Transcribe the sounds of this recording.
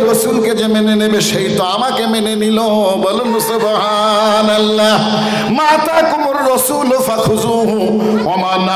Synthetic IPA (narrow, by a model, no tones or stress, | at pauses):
ɾɐsuːlked͡ʒemenenebeʃɐjt̪aːmakemenenilõ | bɐlunusʊbʱɦa | nɐlːa | maːt̪akʊmʊɾɾɐsuːlofɐkʰʊzũːɦũ | ɔmana